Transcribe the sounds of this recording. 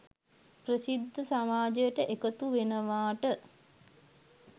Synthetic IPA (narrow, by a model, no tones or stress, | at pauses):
prəsid̪ʱːəsamaːd͡ʒəjəʈəʔekət̪uʋenəʋaːʈə